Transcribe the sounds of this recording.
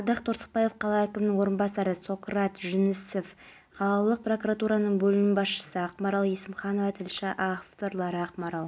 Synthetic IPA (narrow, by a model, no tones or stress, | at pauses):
d̪ɑqt̪ʰoɾsə̥q̚pɑje̞fqʰɑlˠɑækʲɪmɪnɪŋwo̞ɾənbɑsɑɾəso̞krɑt̪ʒʏnɪsef | qʰɑlˠɑlˠəq̚pro̞kuɾat̪uɾɑnəɴbɵlɪmbɑsʃə̥səɑqmɑɾɑlˠjesɪmχɑno̞vɑt̪ʰɪlʃɪʔaft̪o̞ɾlˠɑɾəɑqmɑɾɑlˠ